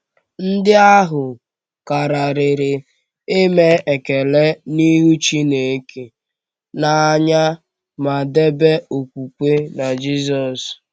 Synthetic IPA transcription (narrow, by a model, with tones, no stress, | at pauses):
n̩˦dɪ˦a˦ɦʊ˨ | ka˨ɾa˨ɾɪ˨ɾɪ˨ | e˦me˦e˨ke˨le˦ni˦ɦu˦t͡ʃi˦ne˨˦ke˨ | na˨a˦ɲa˦ | ma˨de˦be˦o˨kʷu˨kʷe˦na˨d͡ʒi˦s̬ɔ˨s